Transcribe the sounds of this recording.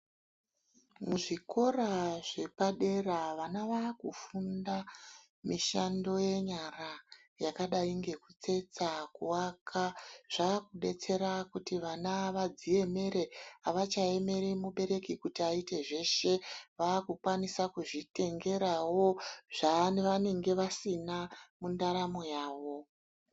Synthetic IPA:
muʐiko̞raʐe̞paɗe̞raʋanaʋaːkufunda | miʃando̞je̞ɲara | jakaɗaiŋɡe̞kut͡se̞t͡sakuwakʰaʐ̥aːkuɗe̞t͡se̞ɾakutiʋanaʋad͡zie̞me̞ɾe̞aʋat͡ʃae̞me̞ɾimuɓe̞ɾe̞kikutiaite̞ʐe̞ʃe̞ʋaːkukwanisakuʐite̞ŋɡe̞ɾawo̞ʐ̥anʋane̞ŋɡe̞ʋasinamundaɾamo̞jaːʋo̞

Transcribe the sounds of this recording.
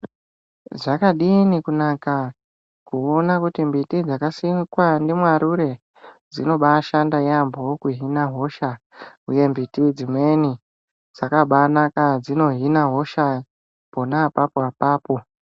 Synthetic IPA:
ʐakaɗinikunaka | kuonakutimbitid͡zakasikwandemwaɾuɾe | d͡zino̞ɓaʃandajambokuɦinaɦo̞ʃa | uje̞mbitid͡zimwe̞ni | d͡zakaɓanakad͡zino̞ɦinaɦo̞ʃa | ponapapoapaːpo̞

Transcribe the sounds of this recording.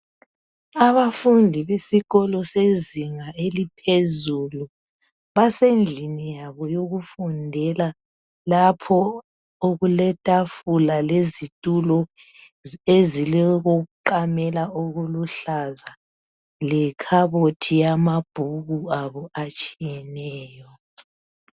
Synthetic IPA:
aβafundʱiβesiɣɔlɔseziŋaelipʰezulu | βasend͡ɮʱinijaβɔjoɣufundʱɛla | lapʰɔ | oɣulɛtʼafulalezitʼulɔ | ezilɛɣoɣuǃamɛlaoɣuluɬaza | lɛkʰaβotʰijamab̥ʱuɣuaβɔat͡ʃʼijɛnɛːjɔ

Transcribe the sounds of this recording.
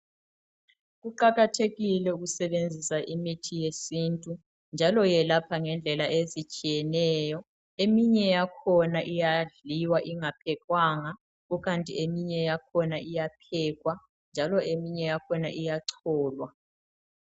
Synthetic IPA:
ɣuǃaɣatʰeɣilɛuɣusɛɓend͡zʱisaʔimitʰijesintʼu | nd͡ʒʱalɔjɛlapʰaŋɛnd͡ɮʱɛlaʔezit͡ʃʼijɛnɛːjɔ | emiɲɛjakʰɔnaʔijaɮiwaʔiŋapʰɛkʼwaːŋa | ukantʼiemiɲɛjakʰɔnaʔijapʰɛːk̬ʼwa | nd͡ʒʱalɔʔemiɲɛjakʰɔnaʔijaǀʰɔːlwa

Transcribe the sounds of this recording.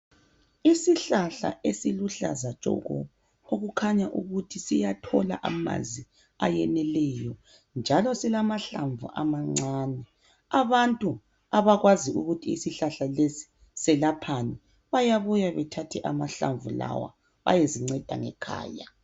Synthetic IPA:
isiɬaɬa̰esiluɬa̰zat͡ʃʼɔ̰ɣɔ̰ | oɣukʰaɲaʔuɣutʰisijatʰɔla̰ʔama̰zi | ajɛnɛlɛjɔ | nd͡ʒʱalɔsilamaɬaɱvṵʔamaŋ͡ǀaːnɛ | aβantʼu | aβaɣwaziuɣutʰḭːsiɬaɬalesi̥ | sɛlapʰanɛ | βajaβujaβɛtʰatʰɛʔamaɬa̰ɱvula̰wa̰ | βa̰jeziŋ͡ǀɛd̥ʱa̰ŋɛ̰kʰa̰ːja

